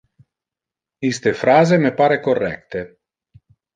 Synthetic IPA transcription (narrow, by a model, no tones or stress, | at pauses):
ist̪efɾaːzemepaːɾekorːɛ̰k̚t̪e